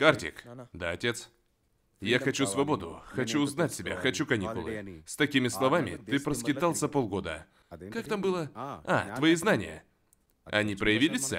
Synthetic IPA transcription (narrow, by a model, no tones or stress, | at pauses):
kartʲɪ̰kd̪aɐtʲe̞t̪s | jaxɐt͡ɕusvɐbo̞d̪ʊ̰xɐt͡ɕuʊznatʲsʲɪbʲa̰xɐt͡ɕukɐnʲikʊlˠɨ̰st̪ɐkʲimʲɪslˠɐvamʲɪ̰t̪ɨpɾəskʲɪt̪alˠsʲəpolˠɡo̞d̪ə̰ | kakt̪ambɨlˠəa̰t̪vɐiznanʲɪ̰jə̰ | ɐ̰nʲipɾəjɪvʲilʲɪsʲə̰